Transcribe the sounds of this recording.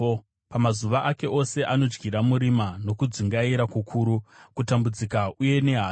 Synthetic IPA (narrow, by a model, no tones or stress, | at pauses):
pamazuʋaʔake̞ʔo̞se̞ʔano̞d͡ʒɡiɾamuɾimano̞kud͡ziŋɡaiɾakukʰuːɾukutambud͡zikaʔuje̞ne̞ɦa